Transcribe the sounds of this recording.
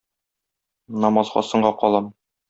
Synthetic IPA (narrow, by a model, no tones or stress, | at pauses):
nɒmɑzʁɑ̰sɤ̆ɴɢɑqɒlˠɑm